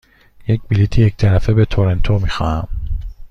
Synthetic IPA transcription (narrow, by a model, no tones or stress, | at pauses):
jecbilit̪ʰijec̚t̪ʰæɾæfebet̪ʰoɾent̪ʰomixɒ̰ːhæ̰m